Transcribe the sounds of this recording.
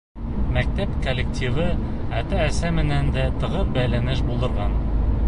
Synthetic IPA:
mæk̚t̪æpkolʲːek̚t̪ʲivɤ | æt̪æːsæmɘ̆nænd̪æt̪ɤ̆ʁɤbælænɘʃbulˠd̪ɤ̆ɾʁɑn

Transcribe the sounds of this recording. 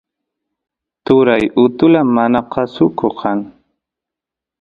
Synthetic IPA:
t̪ʊɾajʊt̪ʊlamanaqɑsʊkoqʰɑŋ

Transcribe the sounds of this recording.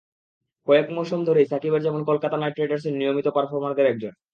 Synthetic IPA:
kɔekmɔʃomd̪ʱoɾejsakibeɾd͡ʑɛmonkolkat̪anajʈɾeɖaɾs̬ennijomit̪opaɾfoɾmand̪eɾɛk̚d͡ʑon

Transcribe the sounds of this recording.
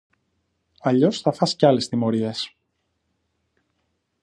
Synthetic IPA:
ɐʎo̞sθɐfɐsceɐle̞st̪imo̞ɾie̞s

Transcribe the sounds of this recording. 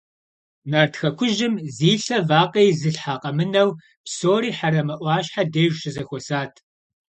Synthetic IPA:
naːrtxɐkʷʰʊʒɪmziːɬɐvaːqʼejzɨɬħaːqʼɐmɨnɐw | psoːɾiːħaɾɐmɐʔʷɑːɕħadeːʒʃɪzɐxʷɔsaːtʰ

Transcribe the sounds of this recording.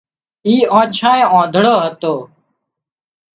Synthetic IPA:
iːõːt͡ʃʰãːẽːõːd̪ʱɽoːɦət̪oː

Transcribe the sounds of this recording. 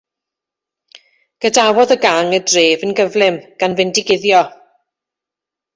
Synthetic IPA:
ɡ̥ədawɔðəɡaŋədreːvənɡəvlˠɪmɡ̥anvɛndɪɡɪðjɔ

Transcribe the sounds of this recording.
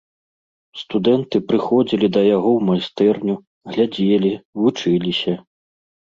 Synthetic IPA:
st̪ud̪ɛnt̪ɨpɾɨxɔd͡zʲilʲid̪ɐjaɣɔwmajst̪ɛrnʲu | ɣlʲad͡zʲelʲivut͡ʂɨlʲisʲɐ

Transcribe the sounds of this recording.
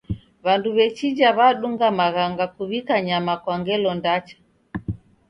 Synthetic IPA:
βanduβɛt͡ʃid͡ʒaβaɗuŋɡamaɣaŋɡakuβikaɲamakwaŋɡɛlɔndat͡ʃḁ

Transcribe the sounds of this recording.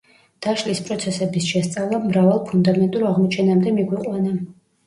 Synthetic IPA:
d̪̥aʃlispʼɾɔt̪sʰɛsɛbisʃɛst̪sʼavlˠamɾavalˠpʰund̪amɛnt̪ʼuɾaʁmɔt͡ʃʰɛnamd̪ɛmiɡwiqʼwana

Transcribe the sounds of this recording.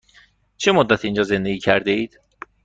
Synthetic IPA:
t͡ʃʰemod̪ːæt̪ʰiiːnd͡ʒɒːze̞nd̪eɡiːcʰæɾd̪eiːd̪̥

